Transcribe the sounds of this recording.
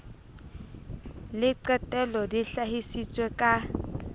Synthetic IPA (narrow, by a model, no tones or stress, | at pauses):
lɪǀɛtʼɛlɔdiɬaɦisit͡sʼwɛkʼa